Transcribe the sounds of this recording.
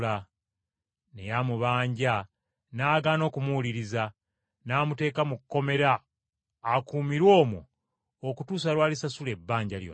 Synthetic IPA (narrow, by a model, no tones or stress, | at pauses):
la | nḛjamuβaːɲɟa | naːɡaːno̞ːkumuliɾiza | naːmute̞ːkamukːo̞me̞ɾaː | kuːmiɾwo̞ːmu | okutuːsalwaːlisasule̞bːaːɲɟaljo̰